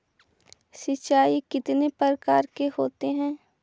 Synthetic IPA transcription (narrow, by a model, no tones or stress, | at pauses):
sɪt͡ʃaːikɪt̪nepəɾkaːɾkehoːt̪eɦɛ̃ː